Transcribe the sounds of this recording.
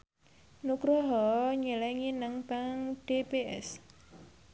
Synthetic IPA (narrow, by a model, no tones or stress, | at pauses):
nukɾɔɦɔɲəlɛŋinaŋb̥aŋɖ̥epeʔɛ̰s